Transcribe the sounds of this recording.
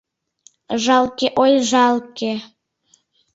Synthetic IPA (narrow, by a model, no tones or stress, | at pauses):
ʒɑlkeʔojʒɑlke